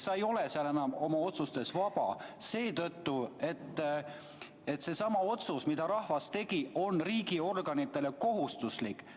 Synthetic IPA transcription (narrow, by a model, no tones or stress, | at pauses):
sɑejo̞le̞seɑlenɑmo̞mɑo̞t̪sust̪e̞svɑb̥ɑ̰se̞ːt̪ɤt̪ːue̞t̪ːˑ | e̞t̪se̞sɑmɑo̞t̪susmid̪ɑɾɑhvɑst̪e̞ɡ̥io̞nriːɡio̞rɡ̥ɑnit̪ːˑe̞le̞ko̞ɦust̪uslikˑ